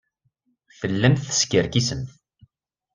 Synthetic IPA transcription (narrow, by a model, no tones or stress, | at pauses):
fəlːæmθə̥skəɾkisəmθ